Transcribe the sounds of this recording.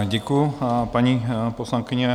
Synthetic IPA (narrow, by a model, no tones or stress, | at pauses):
ɟɛkujupaɲiposlaŋkɪɲɛ